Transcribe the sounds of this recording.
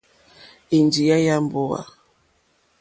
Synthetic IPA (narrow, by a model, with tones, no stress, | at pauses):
i˨nd͡ʒi˨ja˦ja˦mbo˦wa̰˨